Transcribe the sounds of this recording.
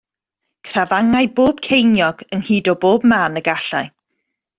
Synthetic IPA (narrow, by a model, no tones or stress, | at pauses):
kʰravaŋajboːb̥kʰejnjɔɡənhiːdɔboːbmaːnəɡaɬaj